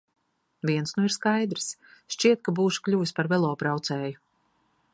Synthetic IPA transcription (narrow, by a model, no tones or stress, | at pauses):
viɛnsnuiɾskajd̪ɾsʃt͡ʃiɛt̪̚kabuːʃu̥klʲuːvispaɾvɛlˠɔːpɾawt̪sɛːju